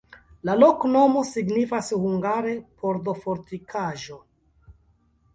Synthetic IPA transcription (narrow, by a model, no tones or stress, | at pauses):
lalo̞kno̞mo̞siɡnifashuŋɡaɾe̞pʰo̞ɾdo̞foɾtikʰaʒo̞